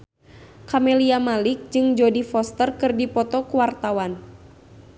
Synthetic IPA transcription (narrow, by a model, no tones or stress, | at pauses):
kamɛliamalɪk̚d͡ʒɨŋd͡ʒɔdifɔst̪ərkɨrdipɔt̪ɔkuwart̪awan